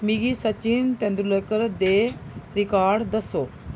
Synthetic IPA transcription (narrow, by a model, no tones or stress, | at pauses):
miɡisɐt͡ɕint̪ẽnd̪ɾuləkəɾd̪eɾikaːɾɖd̪ɐso